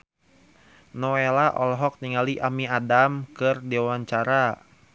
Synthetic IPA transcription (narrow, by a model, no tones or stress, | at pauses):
nɔelaʔɔlɦɔk̚niŋaliʔamiadamkɨrdewaɲt͡ʃaɾa